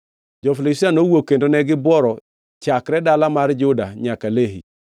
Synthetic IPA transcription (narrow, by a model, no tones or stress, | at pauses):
d͡ʒɔfilɪsanowokːendonɛɡɪbwɔɾɔ | t͡ʃakɾɛdalamard͡ʒʊdaɲakaleɦḭ